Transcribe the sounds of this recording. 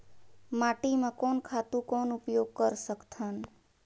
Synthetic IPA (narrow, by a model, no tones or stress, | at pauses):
maʈimãkɔnkʰat̪ũkɔnupjoɡ̚kəɾsəkt̪ʰan